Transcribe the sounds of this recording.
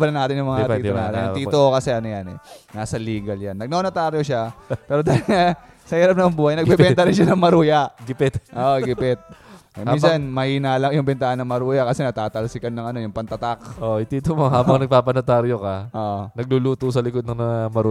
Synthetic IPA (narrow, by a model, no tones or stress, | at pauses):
ɐlɐnaːt̪ɪnjʊŋmɐŋat̪iːt̪onaːt̪ɪ̰nɐt̪iːokɐsɛʔɐnojanɛ̰naːsɐliːɡɐljanːɐɡ̚nonot̪aɾjoʃapɛːɾod̪aŋa | sɐhiːɾɐp̚nɐjɐŋbuːhajnɐɡ̚bɛɛnt̪ɐɾɪnʃanɐŋmɐɾuːjɐɡɪpɪt̪ʔoʔɡɪpɪt̪̚minsɐnmɐhiːnaːlɐŋjʊŋbɛnt̪aːhɐnːɐŋmɐɾuːjɐkɐsɛnɐt̪aːt̪ɐlsɪkɐnːɐŋɐno̞jʊŋpɐnt̪ɐt̪akʔoit̪iːt̪omoɦaːbɐŋnɐɡ̚paːpɐnot̪aɾjokaʔoʔnɐɡ̚luluːt̪osɐlɪkod̪̚nɐŋmɐŋamɐɾu